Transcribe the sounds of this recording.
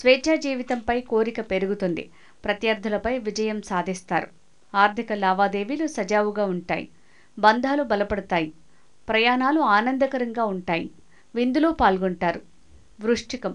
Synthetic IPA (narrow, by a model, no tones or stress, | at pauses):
sʋɛːt͡ʃaːd͡ʒiːʋit̪ɐmpɐjkoːɾikɐpe̞ɾuɡut̪ond̪ḭ | pɾɐt̪jɐɾd̪ʱːɐlɐpɐjʋid͡ʒɐjɐmsaːd̪ʱist̪a̰ːɾu | aːɾt̪ʰikɐlaːʋaːd̪e̞ːʋilusɐd͡ʒaːʋuɡaːuɳʈa̰ːjḭ | bɐnd̪ʱaːlubɐlɐpɐɽɐt̪aːji | pɾɐjaːnaːluaːnɐnd̪ɐkɐɾɐŋɡaːuɳʈaːjḭ | ʋind̪uloːpaːlɡɔɳʈaːɾu | ʋɾuʂʈikɐm